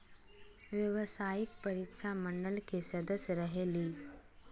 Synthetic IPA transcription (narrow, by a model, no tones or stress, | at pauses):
ʋjəʋsaːjɪkpəɾikʃaməɳɖəlkesɐd̪əsjəɾəɦeːliː